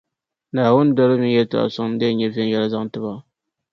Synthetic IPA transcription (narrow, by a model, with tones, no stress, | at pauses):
naː˨wʊ˦n˦dɔ˦lɨ˦mɪ˦n˦jɛ˦ta̰˨ʔa̰˨sʊ˦ŋ˦dɨ˦˨ɲɛ˦vɛ˦jɛ˦la˦za˦ŋ˦tɨ˦ba˦